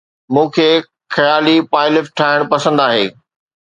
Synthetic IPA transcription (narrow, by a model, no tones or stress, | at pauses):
mũːkʰeː | xɐjaːlipaːɪlɪfʈʰaːɪɽ̃pɐsə̃nd̪aːɦeː